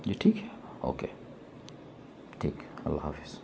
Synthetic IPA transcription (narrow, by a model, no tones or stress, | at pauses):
d͡ʒiʈʰiːkɦɛ | o̰ːkeː | ʈʰiːkɐ̰lːa̰ːɦa̰ːfɪz̥